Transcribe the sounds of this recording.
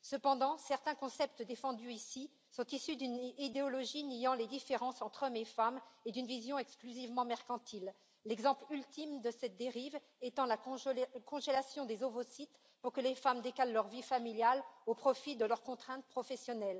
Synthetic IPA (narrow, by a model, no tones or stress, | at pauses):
səpɑ̃d̪ɑ̃sɛʁt̪ɛ̃kɔ̃sɛp̚t̪əd̪efɑ̃d̪yisi | sɔ̃t̪isyd̪ynid̪eɔlɔʒinijɑ̃led̪ifeʁɑ̃sɑ̃t̪χɔmefamed̪ynvizjɔ̃ɛksklyzivmɑ̃mɛʁkɑ̃t̪ʰilː | ɛɡzɑ̃plylt̪imd̪əsɛt̪̚d̪eʁiv | ɛt̪ɑ̃lakɔ̃ʒelasjɔ̃d̪ezovosit̪ | puʁkəlefamd̪ekallœʁvifamiljalopχɔfid̪əlœʁkɔ̃t̪χɛ̃t̪̚pχɔfɛsjɔnɛl